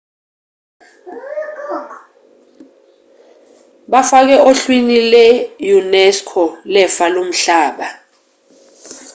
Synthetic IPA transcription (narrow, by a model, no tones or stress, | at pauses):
ɓafak̬ɛʔoɬwinilɛjunɛskʰɔlɛfalom̩ɬaːɓa